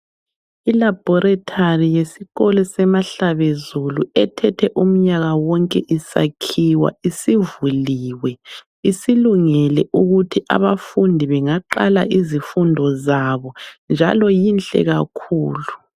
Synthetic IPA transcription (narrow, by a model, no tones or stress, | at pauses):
ilab̥ʱɔɾatʰarijesiɣɔlɔsɛmaɬaβezuluɛtʰɛtʰɛʔum̩ɲaɣawɔŋkʼɛʔisa̰kʰiwa̰isivuliːwɛ | isiluŋɛlɛʔuɣutʰiʔa̰βafundʱiβɛŋaǃala̰ʔizifundʱɔzaβɔnd͡ʒʱa̰lɔjint͡ɬʼɛ̰ɣakʰuːlu